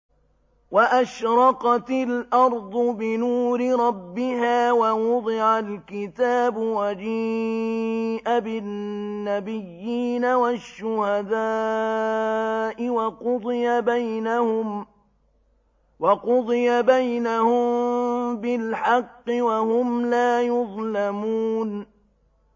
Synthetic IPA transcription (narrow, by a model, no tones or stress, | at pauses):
waʔaʃɾˤɑqɑt̪ɪlʔɑɾˤd̪ˤʊbɪnuːɾɪɾˤɑbːɪɦaːwawʊd̪ˤɪʕalkɪt̪aːbʊwad͡ʒiː | ʔabɪː | abɪjːiːnawaʃːʊhad̪aː | ʔɪwɑqʊd̪ˤɨjabajnahʊm | wɑqʊd̪ˤɨjabajnahʊmmbɪlħɑqːɪwahʊmlaːjʊðˤlamuːn